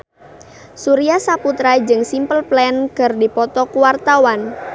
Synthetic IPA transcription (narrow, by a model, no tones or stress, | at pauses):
suɾiasaput̪ɾad͡ʒɨŋsimpəlplɛnkɨrdipɔt̪ɔkuwart̪awan